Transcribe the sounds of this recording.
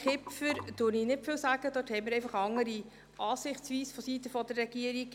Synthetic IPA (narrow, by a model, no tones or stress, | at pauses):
kɪpfəɾd̥ʊɾniːnɪtfɪlsæːɡ̥əd̪øthɛjmɪɾɛɪfɑχɑŋəɾi | ʔɑːsɪχt͡sʋiːsfɔsitəfɔd̪ərːɛɡiəɾiɡ̥